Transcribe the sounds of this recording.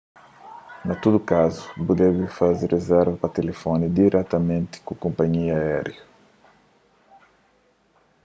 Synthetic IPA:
nɐt̪ud̪ʊkazʊ̥bud̪ɛvɪfazerezɛɾvɐpɐt̪elefõnid̪iɾʔɛt̪ɐmẽnt̪ɪ̥kũkõmpɐɲiɐaɛɾjɐ

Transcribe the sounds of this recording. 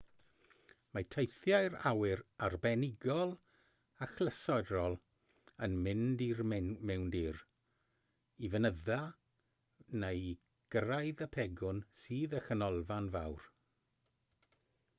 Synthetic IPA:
matʰejθjajɾa̰wɪɾarbɛnɪɡɔlˠ | axlˠəsɔɨɾɔlˠ | ənmɪndirmɛwndir | ivənəða | nej | ɡ̥rajðəpʰɛɡʊnsiːðəxənɔlˠvanvawr

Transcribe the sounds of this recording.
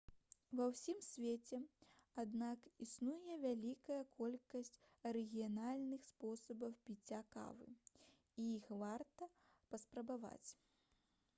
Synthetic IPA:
vɐwsʲimsʲvʲet͡sʲɛad̪nakisnujɛvʲalʲikɐjɐkʰɔlʲkɐsʲt͡sʲ | ɐɾɛɣʲijanalʲnɨxspɔsɐbɐwpʲit͡sʲːaka̰vɨ̰ | iixvart̪ɐ | pɐspɾɐbava̰t͡sʲ

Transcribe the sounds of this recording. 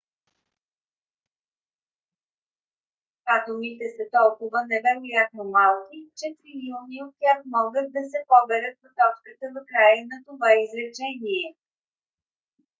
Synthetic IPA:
kat̪omit̪ɛsɐt̪ɔlˠkʊvənɛvɛɾojat̪̚nomalˠkʲit͡ʃɛt̪ɾiliuniot̪̚t̪ʲjaxmɔɡət̪̚d̪ɐsɛpɔbɛɾət̪̚pɐt̪ɔt͡ʃkət̪əd̪ɐkɾajənɐt̪ovaizɾɛt͡ʃɛniɛ

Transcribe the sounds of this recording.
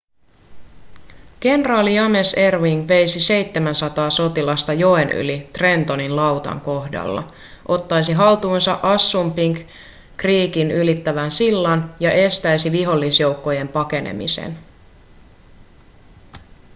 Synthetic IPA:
ke̞nrɑːlijɑmese̞rʋiŋɡʋe̞jsise̞jt̪ːemænsɑt̪ɑːso̞t̪ilɑst̪ɑjo̞enʔy̰lit̪re̞nt̪o̞ninlɑwt̪ɑ̰ŋko̞hdɑ̰lːɑ̰ | ʔo̞t̪ːɑjsiɦɑlt̪uːnsɑʔɑsːumpiŋk | kriːkinylit̪ːæʋænsilːɑnjɑʔe̞st̪æjsiʋiɦo̞lːisjo̞wkːo̞je̞mpɑke̞nḛmḭsḛn

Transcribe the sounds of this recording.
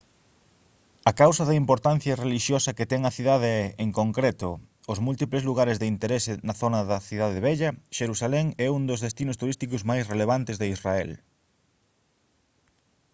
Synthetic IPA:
ɐkawsɐðɐimpoɾt̪ãn̟θjɐreliʃjosɐket̪ɛŋɐθiðaðeɛeŋkoŋkɾet̪ʊː | zmult̪iplezluɣ̞aɾezðeint̪eɾesɪnɐθonɐðɐθiðaðeβ̞ɛʎɐʃeɾusalɛŋɛund̪ozðest̪inʊst̪uɾist̪ikʊzmajsreleβ̞ant̪ɪzðeisraɛl

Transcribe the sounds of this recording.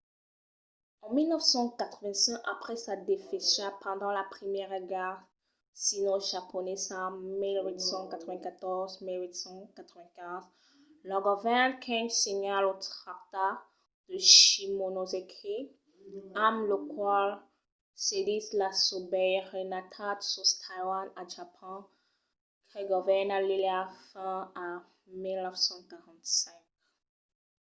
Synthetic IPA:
ɑ̃milnəfsɑ̃kat̪χəvɛ̃sɛ̃kapχɛsad̪efeʃapɑ̃d̪ɑ̃lapχimjɛʁeɡaʁ | sinoʒapɔnɛsamilwit̪sɑ̃kat̪χəvɛ̃kat̪ɔʁzmilwit̪sɑ̃kat̪χəvɛ̃kɛ̃z | lɔ̃ɡɔvɛ̃nkʰɛ̃msiɲalot̪χak̚t̪a | d̪̥əʃimonozekʰe | amlokwal | sedislasobɛjʁenatʰat̪sust̪ʰajwanaʒapʰɔ̃ | ɡʁeɡɔvɛnaliliafɛ̃a | milnɔfsɑ̃kaʁɑ̃t̪sɛ̃k̚

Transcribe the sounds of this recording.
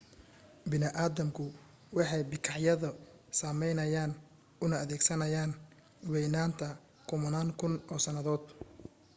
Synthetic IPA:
bɪnɪʔaːðɐmkʰʊ | wɑħɑjbɪkʰɑʕjɐðɐsaːmɛjnɐjaːn | ʊnɐːðɛːɡsɐnɐjaːn | wɛjnaːnt̪ʰɐ | kʰʊmɐnaːŋkʰʊnʔɔːsɐnɐðɔːd̪̥

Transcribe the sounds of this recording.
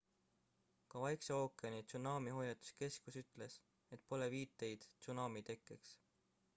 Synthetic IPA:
kɑvɑjkseoːkːˑeɑnit̪sunɑːmiɦo̞jɑt̪ːˑu̥ske̞skusyt̪ˑle̞s | et̪̚ˑpo̞leviːt̪ːˑe̞jd̪̥t̪sunɑːmit̪e̞kːˑeks

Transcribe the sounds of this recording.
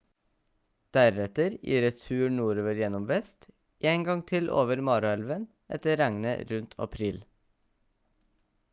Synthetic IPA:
d̪̥æɾɛt̪əɾʔḭːɾɛt̪ʉːɳuːɾoːʋəɾjɛnɔmʋɛst̪ | ʔeːŋɡɑŋt̪ʰɪlʔo̰ːʋəɾmɑːɾʉɛlʋən | ʔɛ̰t̪əɾæŋnə̰ɾʉnt̪ʰɑ̰pʰɾiːl

